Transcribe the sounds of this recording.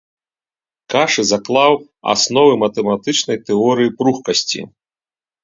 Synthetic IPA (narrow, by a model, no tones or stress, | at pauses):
kaʂɨzaklˠaw | a̰snɔvɨmɐt̪ɛmat̪ɨt͡ʂnɐjt̪ɛɔɾɨjipɾuxkɐsʲt͡sʲḭ